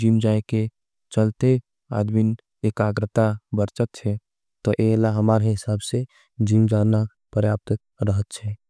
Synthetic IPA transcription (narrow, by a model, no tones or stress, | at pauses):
d͡ʒimd͡ʒaeke | t͡ʃəlt̪e | a̰d̪min | ekaɡɾət̪abəɾt͡ʃət̪̚t͡ʃʰɛ | t̪ɔʔelaɦəmaɾɦɪsabse | d͡ʒimd͡ʒana | pɾəjap̚t̪ək | ɾəɦət̪̚t͡ʃʰɛ